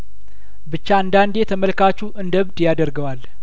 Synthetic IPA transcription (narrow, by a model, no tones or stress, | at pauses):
bɨt͡ʃːaand̪and̪jeɛt̪ʰəməlkat͡ʃːuʔɨnd̪əβd̪jad̪əɾɡəwal